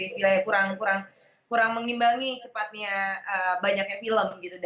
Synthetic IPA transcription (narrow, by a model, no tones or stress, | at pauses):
ist̪ilajakuɾaŋkuɾaŋ | kuɾaŋməŋimbaŋit͡ʃəpat̪̚ɲaəbaɲak̚ɲafiləmɡit̪ud